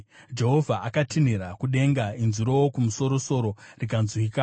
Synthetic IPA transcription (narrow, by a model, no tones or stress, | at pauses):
d͡ʒe̞ɦo̞vʱaʔakatiniɾakuɗe̞ŋɡainziɾo̞wokumuso̞ɾo̞so̞ɾo̞rik̬anzwika